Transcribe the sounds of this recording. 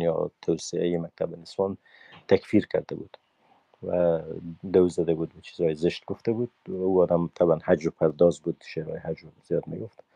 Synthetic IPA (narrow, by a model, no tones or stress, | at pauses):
jɒ̰t̪ʰawsɪajemak̚t̪ʰabɪnɪswɒn | t̪ʰakfiɾkʰa̰ɾd̪abṵd̪̥ | wa̰d̪auzad̪abud̪̚bat͡ʃʰi̥zɑjezɪʃt̪ɡʊft̪abud̪̚auɒd̪amt̪ʰabanhad͡ʒpʰaɾd̪ɒzbud̪ʃeɾɑ̰jehad͡ʒwzijɒd̪ma̰ɡʊft̪